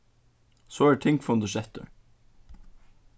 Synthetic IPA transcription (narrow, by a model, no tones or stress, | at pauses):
soːæt̪ʰɪ̃ŋkfɔnd̪əʃɛft̪ə̰ɹ